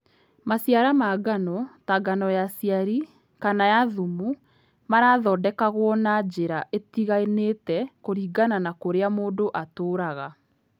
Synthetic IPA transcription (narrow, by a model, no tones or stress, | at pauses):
masjaɾamaɡanɔtaɡanɔjasiaɾi | kanajaðumu | maɾaːðɔːdɛkaɣwɔnad͡ʑeɾaʔetiɣaenetɛkoɾiːɡananakoɾeamoːdoʔatoːɾaɣa